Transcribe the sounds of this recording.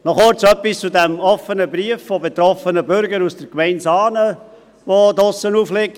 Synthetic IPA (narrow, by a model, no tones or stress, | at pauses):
nɔχʊɾt͡sœpːist͡sudæmɔfənəbɾiəfːobet̪ɾɔfənəbʏɾɡəɾusd̥əɾkmɛɪnsɑːnə | ʋodʊsənuːflɪk̚